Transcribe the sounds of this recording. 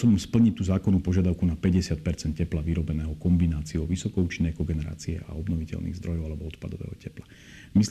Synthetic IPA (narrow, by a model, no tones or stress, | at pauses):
ɔbɔmspl̩ɲict̪uːzaːkɔnuːpɔʒɪad̪aʊkunapɛɟɛsɪat̪̚pɛɾt͡sɛnt̪cɛplaʋiɾɔbɛnɛːɦɔkɔmbinaːt͡siɔʊʋisɔkɔuːt͡ʃinːɛjkɔɡɛnɛɾa̰ːt͡siɛ̰ʔa̰ɔbnɔʋicɛ̰lnḭɣzd̪ɾɔjɔʊalɛbɔɔt̪pad̪ɔʋɛ̰ːɦɔcɛpla | mis